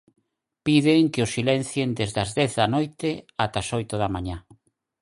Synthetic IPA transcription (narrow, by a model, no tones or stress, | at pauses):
piðɪŋkɪʊsilɛnθjend̪ezðɐzðɛθðɐnojt̪ɪat̪asojt̪ʊðamaɲa